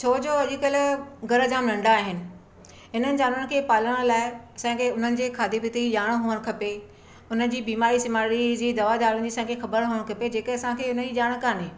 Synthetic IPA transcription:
t͡ɕʰoːd͡ʑoːɐʄɪkəlɡɐɾəd͡ʑaːmlɐ̃ɳɖaaːɦɪnɪ̆ | ɦɪnənɪ̆d͡ʑaːnʊnɪ̆kʰeːpaːləɽ̃laːɪɐsãːkʰeʊn̤ənɪ̆d͡ʑeːkʰaːd̪ibɪt̪iiʄaːɽ̃ɦuːʋəɽ̃kʰɐpe | ʊn̤ə̆d͡ʑiːbiːmaːɾisɪmaːɾid͡ʑiːd̪ɐʋad̪aːɾʊ̃ɪ̃̆d͡ʑiːsãːkʰexɐbəɾɦoːəɽ̃kʰɐped͡ʑeːkəɐsãkʰeːʊnəd͡ʑiːʄaːɽ̃kaːneː

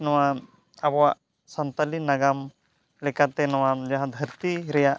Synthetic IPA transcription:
nɔwa | abɔwaʔ | sant̪alinaɡam | lɛkat̪ɛnɔwad͡ʒaɦãd̪ʱəɾt̪iɾɛjaʔ

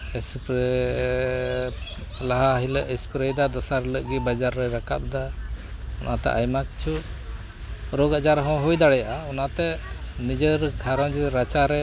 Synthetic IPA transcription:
ɛspɾ | laɦaɦiləʔɛspɾejd̪ad̪ɔsaɾləʔɡibad͡ʒaɾːɛɾaka̰p̚d̪a | ɔnʔat̪ɛ̰ʔajmaki̥t͡ʃʰuʔ | ɾɔɡad͡ʒaɾɦɔ̃ɦujd̪aɽɛjaʔaɔnat̪ɛnid͡ʒəɾkʰaɾɔ̃d͡ʒɛɾat͡ʃaɾɛ

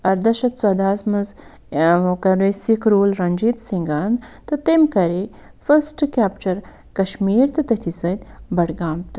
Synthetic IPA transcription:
ɐɾd̪ɐʃɐt̪sɐd̪aːsmɐz | kɐɾusikɾuːlɾɐnʲd͡ʒit̪siŋɡaːnd̪t̪ɨt̪emkɐɾe | fəsʈkʲaːpt͡ʃɐɾ | kɐʃmiːɾt̪ɨt̪ɐt̪ʰisɐt̪ʲbɐɽɡaːmt̪ɨ

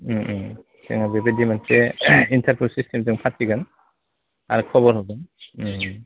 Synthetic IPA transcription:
seŋabebedimanseintʰaɾpʰulsistʰemtɯŋpʰatːiɡɯn | aɾɯkʰɔβɔɾɦɔɡɯn

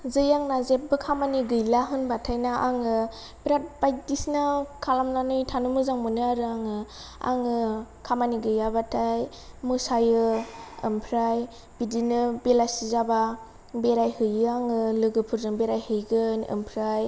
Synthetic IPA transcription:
zɯjaŋnazep̚bɯkʰamaniɡɯjlaɦɯnbatʰajnaʔaŋɯ | bɾat̚bajdisnakʰalamnanɯjtʰanumɯzaŋmɯnɯaɾɯaŋɯ | a̰ŋɯkʰamaniɡɯjabatʰaj | mɯsajɯɯmpʰɾaj | b̥idinɯbelasizaba | beɾajhɯjɯaŋɯlɯɡɯpʰɯɾzɯŋbeɾajhɯjɡɯnɯ̰mpʰɾaj

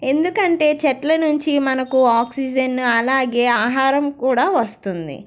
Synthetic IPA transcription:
e̞nd̪ukɐɳʈe̞ːt͡ʃɐʈlɐnuɲt͡ʃimɐnɐkuaːksid͡ʒɐnɐlaːɡe̞ːaːɦaːɾɐmkuːɽaːʋɐst̪und̪ḭ

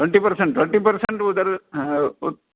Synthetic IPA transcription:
ʈweɳʈipɐɾseɳʈːweɳʈipɐɾseɳʈud̪ɐɾ

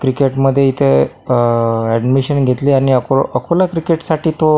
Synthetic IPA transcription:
kɾikeʈməd̪ʱːjeit̪ʰe | æɖmiɕənɡʱet̪liːaɽ̃iəkoəkʰolakɾikeʈsaʈʰiːt̪o

